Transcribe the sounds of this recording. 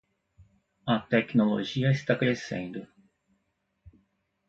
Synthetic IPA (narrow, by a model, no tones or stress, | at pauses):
at̪ekɯnolo̰ʑiːasi̥t̪akɯɾesḛ̃nd̪o